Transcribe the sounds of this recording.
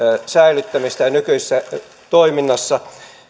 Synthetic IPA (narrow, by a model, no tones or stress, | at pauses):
sæilyt̪ːæmist̪æjɑnykyisesːæ | t̪oiminːɑsːɑ